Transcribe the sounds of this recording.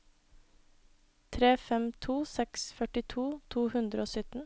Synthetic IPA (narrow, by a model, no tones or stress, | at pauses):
t̪ʰɾeːfɛmt̪ʰuːsɛksfœʈɪt̪ʰuːt̪ʰuːhʉnd̪ɾəoːsʏt̪n̩